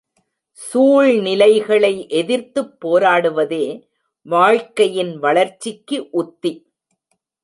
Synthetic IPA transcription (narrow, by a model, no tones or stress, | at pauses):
suːɻnɪlɐɪɣɐɭɐɪʔɛðɪɾt̪ɯpːoːɾaːɽɯʋɐðeː | ʋaːɻkɐjɪnʋɐɭɐɾt͡ʃːɪkːɯʔʊt̪ːi